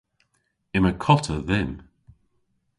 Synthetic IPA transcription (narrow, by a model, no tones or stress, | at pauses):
ɪməkʰɔtʰəðɪm